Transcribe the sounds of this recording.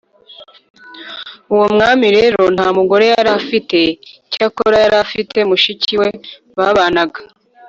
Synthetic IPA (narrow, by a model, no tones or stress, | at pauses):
uwomŋaːmiɾe̞ɾo̞n̥haːmuɡo̞ɾe̞jaɾafite̞cakoɾajaɾafitʰe̞muʃiciwe̞ | βaβanaɡa